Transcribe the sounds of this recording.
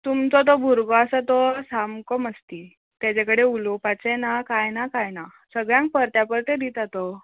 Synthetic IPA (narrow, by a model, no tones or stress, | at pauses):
t̪umt͡sɔt̪̬ɔbʱuɾɡɔasat̪ɔsamkɔməst̪i | t̪jat͡ɕakəɽeulopat͡sɛnakajnakajna | səɡɭjãŋk̚pəɾt̪japəɾt̪ed̪it̪at̪ɔ